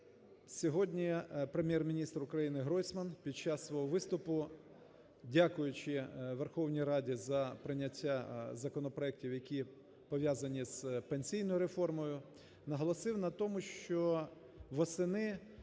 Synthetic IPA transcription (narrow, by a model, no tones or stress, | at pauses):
sʲɔɦɔdʲnʲipɾemʲjɛrmʲinʲist̪ɾʊkɾɐjinɪɦɾɔjsʲmɐnpʲid̪̚t͡ʃɑsːʋɔɦɔʋɪst̪ʊpʊ | dʲakʊjʊt͡ʃɪʋerxɔwnʲijɾɑdʲizɐpɾɪnʲɐtʲːazɐkɔnɔpɾɔɛk̚tʲiwjɐkʲi | pɔʋʲjazɐnʲiz̥penʲsʲijn̪ɔjʊɾefɔrmɔjʊ | nɐɦɔlˠɔsɪwnɐt̪ɔmʊʃt͡ʃɔ | ʋɔsɪnɪ